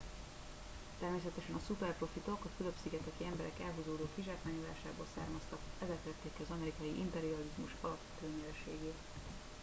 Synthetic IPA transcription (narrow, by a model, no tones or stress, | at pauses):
t̪ɛrmeːs̬ɛt̪ɛʃɛnɒsupɛrpro̞fit̪o̞kɒfyløbsiɡɛt̪ɛkiɛmbɛɾɛkɛlɦuzoːd̪oːkiʒaːkmaːɲola̰ːʃaːboːlsa̰ːrmɒst̪ɒkɛzɛk̪lɛt̪ːeːkɛɒzɒmɛɾikɒjiʔimpɛɾiɒlizmuʃɒlɒpʋɛt̪øːɲɛlɛʃḛːɡeːt̪